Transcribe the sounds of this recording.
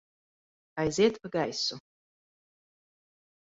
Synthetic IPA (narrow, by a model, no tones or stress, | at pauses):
ajzetʰpʰɨɡajsu